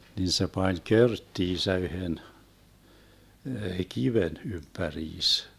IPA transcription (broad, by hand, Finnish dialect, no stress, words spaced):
nin se pɑnʲ kørtːiːsæ yhen kiʋen ympæriːs